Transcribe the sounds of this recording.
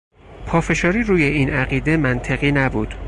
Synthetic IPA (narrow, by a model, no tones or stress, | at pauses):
pʰɒːfe̞ʃɒːɾiːɾuːje̞iːnæɣiːd̪emænt̪ʰeɣiːnæbuːd̪̥